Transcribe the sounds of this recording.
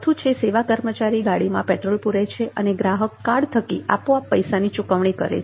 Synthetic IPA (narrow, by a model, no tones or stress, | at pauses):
t̪ʰũt͡ʃʰeseʋakəɾmət͡ʃaɾiɡaɽimãpɛʈɾolpuɾet͡ʃʰeʔəneɡɾaɦəkːaɽt̪ʰəkia̰poapːəjsanit͡ʃukəʋɳ̃ikə̰ɾḛt͡ʃ